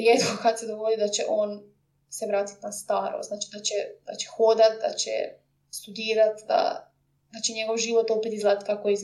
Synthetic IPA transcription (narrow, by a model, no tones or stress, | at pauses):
ɾjet̪kokat̪sed̪oɡod̪id̪at͡ɕḛʔo̞ːn | seʋɾaːt̪i̥t̪nast̪aːɾo̰znaːt͡ʃid̪at͡ɕɛd̪a̰t͡ʃe̥xod̪at̪̚d̪a̰t͡ʃḛ | st̪ud̪iːɾat̪d̪a̰ | d̪at͡ɕeɲeɡo̞ʋʒiːʋo̞t̪opet̪izlaːd̪at̪kakoeiz